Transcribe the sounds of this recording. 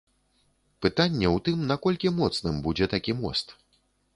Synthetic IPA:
pɨt̪anʲːɛwt̪ɨmnakɔlʲkʲimɔt̪snɨmbud͡zʲɛt̪akʲimɔ̰st̪

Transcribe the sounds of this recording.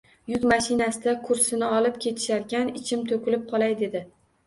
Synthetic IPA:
jʊk̪maʃɪnasɪd̪akʰʊɾsɪnɪɒlɪpkʲʰe̞t̪ʰɪ̥ʃaɾkʲanɪt͡ʃʰɪmt̪ʰokʲɪlɪp̚qʰɒlˠajd̪e̞d̪ɪ

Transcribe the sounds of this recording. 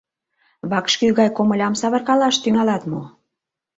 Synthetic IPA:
βɑkʃkyɣɑjkomə̆lʲɑmsɑβə̆rkɑlɑʃt̪yŋɑlɑt̪mo

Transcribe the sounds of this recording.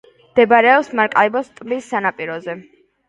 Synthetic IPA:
md̪̥ɛbaɾɛɔpsmaɾkʼaɛbɔst̪ʼlisːanapʼiɾɔzɛ

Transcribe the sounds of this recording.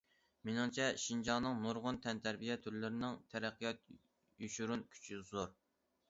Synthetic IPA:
menɪŋt͡ʃʰɛʃind͡ʒɑnɨŋnuɾʁʊnt̪ʰɛnt̪ʰæɾbijɛt̪ʰyɾlɪɾɪnɪŋt̪ʰɛɾæqʰːijɑt̪̚ | juʃuɾunkʲʰy̥t͡ʃʰizoɾ

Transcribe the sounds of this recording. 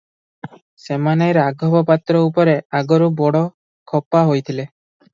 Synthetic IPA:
semanajɾaɡʱɔbɔpat̪ɾɔupɔɾeaɡɔɾubɔɽɔ | kʰɔpaɦojt̪ʰile

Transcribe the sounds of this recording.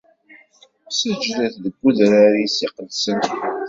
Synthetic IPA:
səd͡ʒðæθðəɡːuðɾaɾisiqəlsən

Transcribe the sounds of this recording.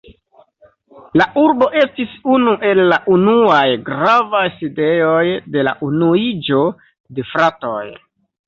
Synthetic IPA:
laʔuɾbo̞ʔe̞stisunuʔe̞lːaʔunuajɡɾavajside̞ojde̞la̰ʔunuid͡ʒo̞ | de̞fɾatoj

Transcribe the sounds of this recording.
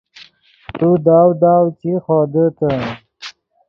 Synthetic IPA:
t̪ud̪aːwd̪aːwt͡ɕiχɔːd̪ət̪ə

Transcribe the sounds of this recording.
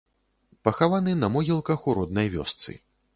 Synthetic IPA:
pɐxavanɨnɐmɔɣʲilˠkɐxuɾɔd̪̚nɐjvʲɔ̰st̪sɨ̰

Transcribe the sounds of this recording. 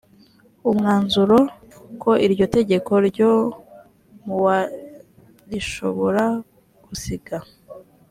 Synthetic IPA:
umŋaːnzuɾo̞ | kʰo̞ʔiɾɟo̞te̞ɟe̞ko̞ɾɟo | muwa | ɾiʃo̞βo̞ɾa | ɡ̥usiɡa

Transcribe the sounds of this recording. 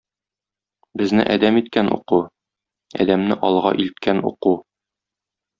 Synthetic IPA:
bɘ̆znɘ̰ʔæd̪æmit̪̚kænʔṵqu | æ̰d̪æmnɘʔɒlˠʁɑ̰ʔilt̪̚kænṵqu

